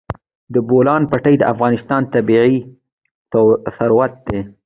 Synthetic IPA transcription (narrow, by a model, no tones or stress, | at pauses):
d̪əbolɑnpaʈəjd̪əʔafɣɑnɪst̪ɑnt̪abiʕi | saɾwat̪̚d̪e